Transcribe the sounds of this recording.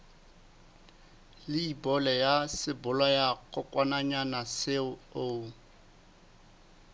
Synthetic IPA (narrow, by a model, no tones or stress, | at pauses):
lɪibɔlɛjasɪbʊlwajakʰʼɔkʼwanaɲanasɪo